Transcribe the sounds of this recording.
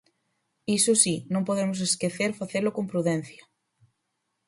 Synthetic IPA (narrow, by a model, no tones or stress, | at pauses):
isʊsinõŋpoðemʊs̬eskeθeɾfaθelʊkõmpɾuðen̟θjɐ